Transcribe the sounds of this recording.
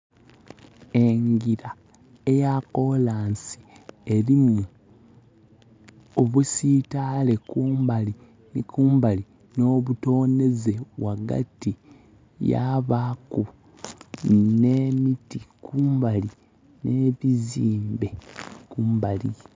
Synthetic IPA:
e̞ŋɡiɾa | ejako̞laːnsi̥e̞ɾimu | oβusiːtaːle̞kuːmbali | nikuːmbali | no̞βuto̞ːne̞ze̞waɡa̰ti | ja̰βaku | ne̞mitikʰuːmbali | ne̞βiziːmbe̞kuːmbali

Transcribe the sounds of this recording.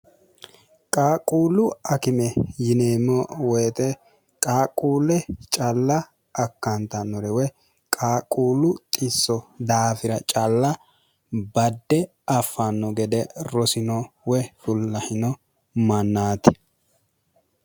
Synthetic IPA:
kʼaːkʼuːlʊɐkɪmɛjɪneːmːɔwɛjːt̪ɛ | kʼaːkʼuːlɛt͡ʃʼɐlːɐː | kːɐnt̪ɐnːɔɾɛwɛ | kʼaːkʼuːlʊt̪ʼɪsːɔd̪aːfɪɾɐt͡ʃʼɐlːɐ | bɐd̪ːɛ | ɐfːanːɔɡɛd̪ɛɾɔsɪnɔwɛfʊlːɐhɪnɔ | mɐnːaːt̪ɪ̥

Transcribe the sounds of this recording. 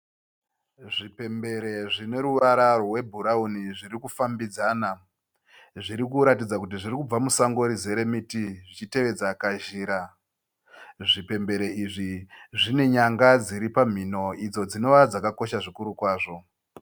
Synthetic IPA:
ʐipe̞mbe̞ɾe̞ʐine̞ɾuʋaɾarowe̞bʱuɾauniʐiɾikufambid͡zaːna | ʐiɾikuɾat̬id͡zakut̬iʐirikub͡vamusaŋɡo̞ɾize̞ɾe̞mitiʐit͡ʃite̞ʋe̞d͡zakaʒiːɾa | ʐipe̞mbe̞ɾe̞iʐiʐine̞ɲaŋɡad͡ziɾipam̤ino̞id͡zo̞d͡zino̞ʋad͡zakako̞ʃaʐikuɾukwaːʐo̞

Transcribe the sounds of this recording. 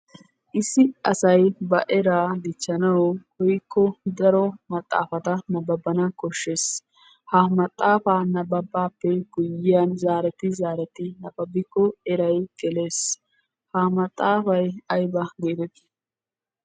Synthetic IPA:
ʔɪsːɪɐsɐjbɐʔɛɾaːd̪ɪt͡ʃːɐnɐwhɔjkːɔd̪ɐɾɔmɐt̪ʼːa̰ːfɐt̪ɐnɐbɐbːɐnɐkɔʃːe̞ːs | hɐmɐt̪ʼːaːfaːnɐbɐbːaːpːɛɡ̥ʊjɪjanzaːɾɛt̪ɪzaːɾɛt̪ɪnɐbɐbːɪkːɔɛɾɐjɡ̥ɛleːs | hɐmɐt̪ʼːaːfɐjɐjbɐɡed̪ɛt̪ː

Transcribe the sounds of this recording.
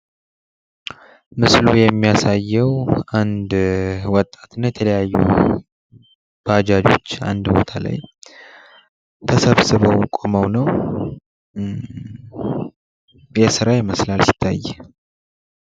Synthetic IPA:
mɨslujɛmːijasajːɛwand̪wɔt̪ʼːḁt̪ɨnːajɛt̪ʰələjajːṵ | b̥ad͡ʒad͡ʒo̞̰t͡ʃːa̰nd̪bo̞̰t̪ʰala̰j | t̪ʰəsəβsɨβəwkʼoməwnəw | jɛsɨɾajɪməslalsi̥t̪ʰːajːɛ

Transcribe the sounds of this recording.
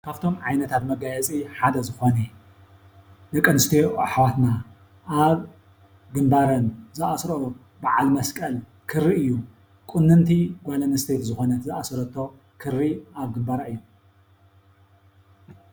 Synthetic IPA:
kʰaβt̪ʰo̞mʕajnɐt̪ʰat̪mɐɡajɛt͡sʼiħad̪ɐzɨxo̞ne | dɐkʼɐnɨst̪ʰioaħwat̪na | ʔaβ | ɡɨmbaɾɐnzɨʔasɾo | baʕa̰lmɐskʼɐl | kʰɨrːiɨjːu | kʼɨnːɨnt̪ʰiɡʷalɐnɐst̪ʰet̪zɨxo̞nɐt̪zɨʔasɾɐt̪ʰːo̞ | kʰɨrːiaβɡɨmbaɾaɨjːom

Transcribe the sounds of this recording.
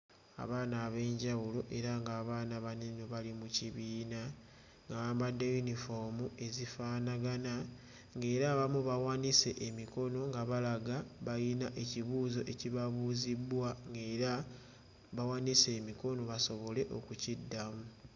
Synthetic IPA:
a̰βaːnaːβe̞ːɲɟawulo̞ʔe̞ɾaŋɡaːβaːnaβanino̞βalimuciβiːna | ŋɡaaːmbadːejunifomue̞zifaːnaɡana | ŋɡe̞ːɾaːβamuβawaːnise̞ʔemiko̞no̞ŋɡaβalaɡaβajinaʔe̞ciβuzo̞ʔe̞ciβaβuːzibwaŋɡeɾa | βawanise̞ːmiko̞no̞βaso̞βo̞le̞ʔo̞̰kucidːamu

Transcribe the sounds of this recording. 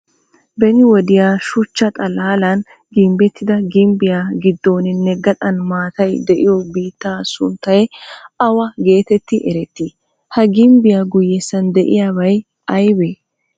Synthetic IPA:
bɛnɪwɔd̪ɪjaːʃʊt͡ʃːɐt̪ʼɐlaːlɐn | ɡɪmbɛt̪ʰːɪd̪ɐɡɪmbɪjaːɡɪd̪ːo̞ːnɪnːɛɡɐt̪ʼɐnmaːt̪ɐjd̪ɛʔɪjɔbiːt̪ːaːsʊ̰nt̪ːɐjɛɐwɐɡe̞ːt̪ɛt̪ːɪʔɛɾɛt̪ːiː | hɐɡɪmbɪjaɡʊjːɛsɐnd̪ɛʔɪ̰jaːβɐj | ɐjbeː

